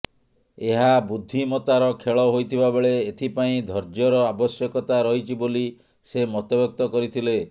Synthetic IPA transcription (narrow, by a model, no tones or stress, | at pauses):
eɦabud̪ʱːimɔt̪aɾɔkʰeɭɔɦojt̪ʰibabeɭeːt̪ʰipaĩd̪ʱɔɾd͡ʒjɔɾɔabɔsjɔkɔt̪aɾɔɦit͡ʃʰiboli | semɔt̪ɔbɔk̚t̪ɔkɔɾit̪ʰile